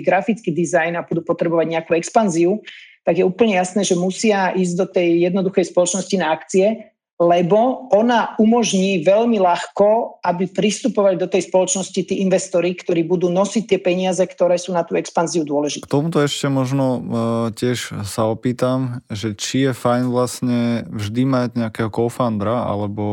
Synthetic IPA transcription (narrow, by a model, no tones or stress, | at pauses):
ɡɾafit͡skiːd̪izajnabud̪uːpɔt̪ɾɛbɔʋaɟɲɛakuːɛkspanziut̪aɡjɛuːpəl̩ɲɛjasnɛːʒɛmusɪaʔiːzɟd̪ɔt̪ɛjjɛd̪nɔd̪uxɛjspɔlɔt͡ʃnɔscinaːkt͡siɛ | lɛbɔɔnaumɔʒɲiːʋɛʎmilaxkɔʔabipɾist̪upɔʋaʎd̪ɔt̪ɛjspɔlɔt͡ʃnɔscit̪iːʔinʋɛst̪ɔɾikt̪ɔɾiːbud̪uːnɔsic̚t̪ːɪɛpɛɲɪazɛkt̪ɔɾɛːsuːnat̪uːɛkspanziud̪ʊɔlɛʒit̪k̪t̪ɔmut̪ɔɛʃcɛmɔʒnɔcɪɛʃsaɔpiːt̪amʒɛt͡ʃijɛfajnʋlasɲɛvʒd̪imaɟɲɛakɛːɦɔkɔʊfand̪ɾaa̰lɛbɔ